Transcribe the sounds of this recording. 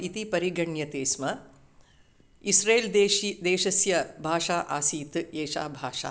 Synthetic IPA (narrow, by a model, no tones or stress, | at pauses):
it̪ipɐɾiɡɐɳjɐt̪eːsmɐ | isɾeːld̪eːʃɐsjɐbʱaːʂaːʔaːsiːt̪eːʃa̰ːbʱaːʂa̰ː